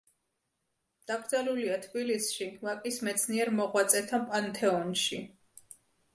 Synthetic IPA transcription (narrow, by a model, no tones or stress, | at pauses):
d̪̥aɡɾd̪zaluliat̪ʰbilisʃivakʼismɛt̪sʰniɛɾmɔʁwat̪sʼɛt̪ʰapʼant̪ʰɛɔnʃi